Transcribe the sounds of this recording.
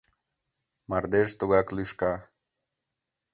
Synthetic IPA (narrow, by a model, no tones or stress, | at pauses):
mɐɾd̪eʂt̪uɡakluʂka